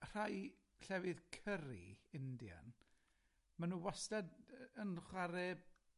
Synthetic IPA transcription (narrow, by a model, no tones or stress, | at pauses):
r̥aj | ɬɛvɨðkʰəɾḭɪndja̰n | manuːwastɛdənχwaɾɛb̚